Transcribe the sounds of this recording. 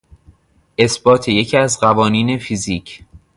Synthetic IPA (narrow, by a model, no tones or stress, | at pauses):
ʔe̞sbɒːt̪ʰeje̞cʰæzɢævɒːniːne̞fiziːcʰ